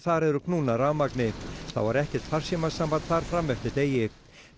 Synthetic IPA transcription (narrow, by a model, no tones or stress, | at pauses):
θaɾɛɾʏkʰnuːnaɾaːwmaknɪθa̰wva̰ɾɛhcɛɾ̥t̪far̥sjɛmasampant̪θaɾ̥fɾamːɛft̪ɪɾt̪eːjɪ